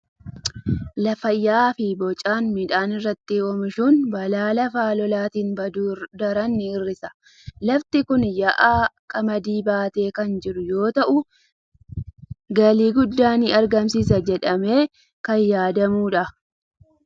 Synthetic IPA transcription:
lɐfɐjːaːfɪbɔt͡ʃʼaːnmɪᶑaːnɪrːɐt̪ːɪɔmɪʃuːnbɐlaːlɐfaːlɔlaːt̪iːnbɐd̪ɐɾɐnːɪɪrːɪsɐ̥ | lɐft̪ɪkʊnjɐʔaːkʼɐmɐd̪iːbaːt̪e̞ːkɐnd͡ʒɪɾʊjo̞ːt̪ɐʔʊ | ɡɐliːɡʊd̪ːaːnɪɐɾɡɐmsiːs̬ɐd͡ʒɛᶑɐme̞ː | kɐjːaːd̪ɐmuːᶑɐ

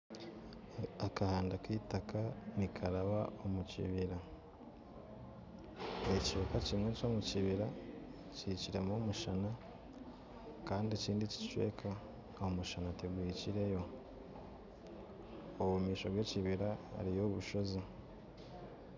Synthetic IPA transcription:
akahaːndakiːtakanikʰaɾaβao̞mucḭβiɾa | ecwe̞ːkacimŋwe̞co̞ːmuciβiɾa | ciciɾe̞momuʃana | kaːndiciːndici̥t͡ʃwe̞̰ːkʰaː | homuʃanatiɡwiːciɾe̞jo̞ | oβumiːʃo̞βwe̞ciβiɾaa̰ɾijo̞ːβuʃo̞zi

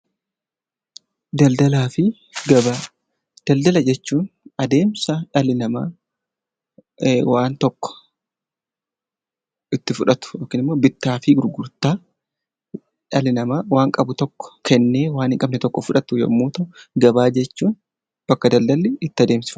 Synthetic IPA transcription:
d̪ɐld̪ɐlaːfɪ | ɡɐbɐ | d̪̥ɐld̪ɐlɐd͡ʒɛt͡ʃːuːnɐd̪e̞ːmsɐᶑɐlɪnɐmaː | waːnt̪ɔkːɔ̥ | ɪt̪ːɪfʊᶑɐt̪ʊ̥joːkːɪnɪmːo̞ːbɪt̪ːaːfɪɡʊɾɡʊɾt̪aː | ᶑɐlɪnɐmaːwaːŋkʼɐbʊt̪ɔkːɔ̥kʰɛnːe̞ːwaːnhɪŋkʼɐbnɛt̪ɔkːɔfʊᶑɐt̪ʊjɔ̰mːuːt̪ʊɡɐbaːd͡ʒɛt͡ʃːuːn | b̥ɐkːɐd̪ɐld̪ɐlːɪɪt̪ːɪɐd̪e̞ːmsɪ̥f

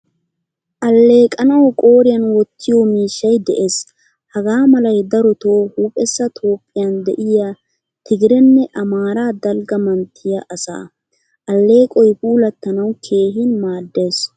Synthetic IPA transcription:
ʔɐlːe̞ːkʼɐnɐwkʼo̞ːɾɪjɐnwɔt̪ːɪjomiːʃːɐjd̪ɛʔe̞ːs | hɐɡaːmɐlɐjd̪ɐɾɔt̪oːhuːpʼɛsːɐt̪ʰo̞ːpʼːɪjɐnd̪ɛʔɪja | t̪ɪɡɪɾɛnːɛʔɐmaːɾaːd̪ɐlɡɐmɐnt̪ʰːɪjɐʔɐsa̰ː | ʔɐlːe̞ːkʼɔjpuːlɐt̪ːɐnɐwkʰe̞ːɦɪnmaːd̪ːe̞ːs

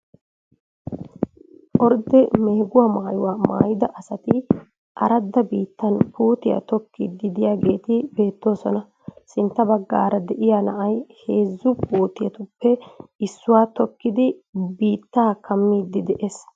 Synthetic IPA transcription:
ʔɔɾd̪ɛmeːɡʊwaːmaːjʊwaːma̰ːjɪd̪ɐʔɐsɐt̪ɪ | ʔɐ̰ɾɐd̪ːɐbiːt̪ːɐnpuːt̪ɪjɐ̰t̪ɔkːḭd̪ːɪd̪ɪjaːɡe̞ːt̪ɪbe̞ːt̪ːo̞ːsɔnɐ | sɪnt̪ːɐbɐɡːaːɾɐd̪ɛʔɪjaːnɐʔɐjhe̞ːzːʊpuːt̪ɪjɐt̪ʊpːɛɪsːʊwaːt̪ɔkːɪd̪ɪbiːt̪ːaːkɐmːiːd̪ɪd̪ɛʔes

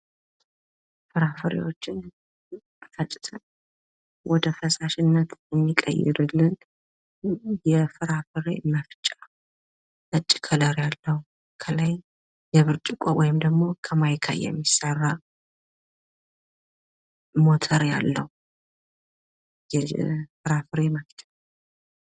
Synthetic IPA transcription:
fɨɾafɨɾḛwo̞t͡ʃːɪn | fət͡ʃʼːɪ̥t̪ʰən | wɔd̪əfəsaʃɪnːət̪jɛmːikʼə̰jːɪ̰ɾɨlːɨn | jɛfɨɾafɨɾḛmːafɨt͡ʃʼa | ʔət͡ʃʼːɪ̥kʰələɾjalːəhu | kʰəlaj | jɛβɨɾt͡ʃʼɪkʼowɔjɪmd̪əɡmo̞kʰəmajkʰa̰jɛ̰mːisːərːa | mo̞t̪ʰəɾja̰lːəhu | jɛfɨɾafɨɾeməft͡ʃʼa

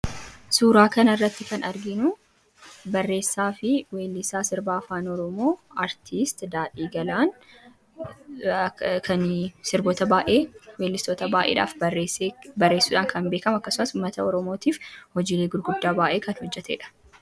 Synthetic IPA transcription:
suːɾaːkɐnɐrːɐt̪ːɪkɐnɐɾɡɪnʊ | bɐrːe̞ːsːaːfɪweːlːɪsaːsɪɾbaːfaːnɔɾɔmo̞ːɐɾt̪ʰist̪d̪aːᶑiːɡɐlaːn | kʰɐnsɪɾboːt̪ɐbaːʔe̞ːwe̞ːlːɪst̪oːt̪ɐbaːʔḛːᶑa̰ːfeːebɐrːe̞ːsːuːᶑaːŋkʰɐnbe̞ːkɐmʊɐkːɐsʊmɐsʊmːɐt̪ɐɔɾɔmoːt̪iːfhɔd͡ʒiːleːɡʊɾɡʊd̪ːaːbaːʔe̞ːkɐnhɔd͡ʒːɛt̪ʰḛːᶑɐ̥

